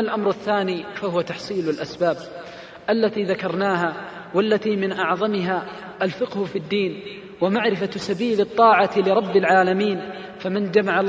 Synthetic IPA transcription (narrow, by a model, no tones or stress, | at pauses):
alʔamɾaθːaːniːfahʊwat̪ɑħsˤiːlalʔasbaːb̚ | ʔalːat̪iːðakɑɾˤnaːɦa | walːat̪iːmɪnʔɑʕðˤɑmɪɦaː | ʔalfɪqhʊfid̪ːiːn | wamaʕɾɪfasabiːlɪt̪ˤːɑːʕalɪɾˤɑbːɪlʕaːlamiːn | famɪnd͡ʒamaʕa